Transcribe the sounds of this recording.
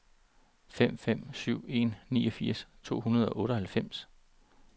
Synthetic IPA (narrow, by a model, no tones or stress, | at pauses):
fem̰fem̰syʊ̰e̝nnḭːɒ̽fiɐ̰st͡sʰo̝̰ːhunɐð̞ˠɒ̽ʔɔ̽ːɾ̥əɒ̽hælfem̰s